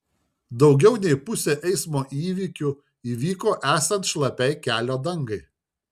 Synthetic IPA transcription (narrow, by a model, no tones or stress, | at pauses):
d̪ɒʊɡʲɛʊnʲɛɪpʊsʲeːʔɛɪsmoːʔiːʋʲiːkʲʊ | iːʋʲiːkoːʔæːsɐnt̪ʃlˠɐpʲɛɪkʲæːlʲoːd̪ɐŋɡɐɪ